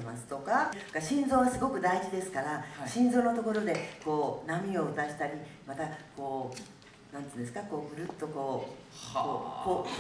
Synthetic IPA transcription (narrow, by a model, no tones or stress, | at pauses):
masɨ̥t̪o̞kaɡaɕĩnzo̞ːβasɨɡo̞kɯ̟d̪aiʑid̪e̞sɨ̥kaɾaɕĩnzoːno̞t̪o̞ko̞ɾo̞d̪e̞ko̞ːnamʲio̞ɯ̟t̪aʑi̥t̪aɾʲimat̪ako̞ː | nãnt̪ɨ̃ːnd̪e̞sɨ̥kako̞ːbɯ̟ɾɯ̟t̪ːo̞ko̞ː | koko